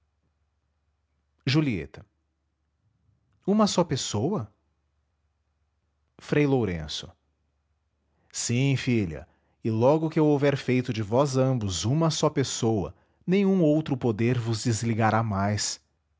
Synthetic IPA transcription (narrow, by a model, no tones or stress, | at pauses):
ʒuliḛt̪ɐ̥ | ũmɐsɔpesowɐ | fɾejloɾḛ̃sʊ̥̰ | sĩfilɐ̰ | ɪlɔɡʊkɪewovɛɾfejt̪ʊd͡ʒɪvɔzɐ̃bʊzũmɐsɔpesowɐ̰ | nẽj̃ũowt̪ɾʊpod̪eɾvʊzd͡ʒɪzliɡaɾamajs